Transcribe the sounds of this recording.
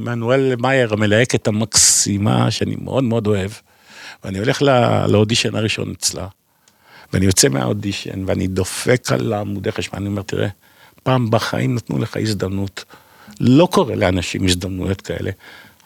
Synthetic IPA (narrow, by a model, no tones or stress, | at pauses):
manuelːemajeʁamelaeket̪amaksima̰ʃeanḭmʔḛʔo̞d̪meo̞d̪o̞e̞v | veanio̞le̞χla̰leodiʃenaʁiʃo̞̰net͡sla̰ | veanijo̞t͡semea̰odiʃe̞̰nveanḭd̪ofekʰa̰laːmud̪eχeʃma̰niomeʁt̪iʁe | paːmbaχa̰ʔimnat̪nṵleχa̰izd̪amnut̪ | lo̞ko̞ʁeleanaʃimizd̪amnujo̞tkʰae̞̰lʔe